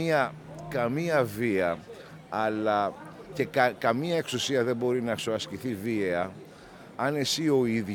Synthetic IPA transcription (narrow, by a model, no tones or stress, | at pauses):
iɐ | kɐmiɐviɐ | ɐlɐce̞kɐkɐmiɐe̞ksusiɐðe̞mbo̞ɾinɐkso̞ɐsciθiviɐ | ɐne̞sio̞ið